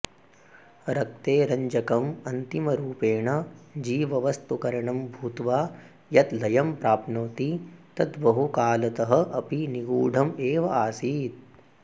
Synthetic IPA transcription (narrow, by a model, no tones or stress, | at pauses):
ɾɐk̚t̪eːɾɐɲd͡ʒɐkɐmɐnt̪imɐɾuːpeːɳɐd͡ʒiːʋɐʋɐst̪ukɐɾɐɳɐmbʱuːt̪ʋaː | jɐt̪lɐjɐmpɾaːpnoːt̪it̪ɐt̪bɐɦukaːlɐt̪ɐɦɐ̆ʔɐpiniɡuːɖʱɐmeːʋɐaːsiːt̪̚